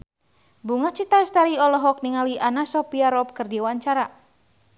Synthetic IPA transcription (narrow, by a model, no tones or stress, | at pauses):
buŋat͡ʃit̪aist̪aɾiɔlɔɦɔk̚niŋaliʔanasɔpiaɾɔp̚kɨrdiwaɲt͡ʃaɾa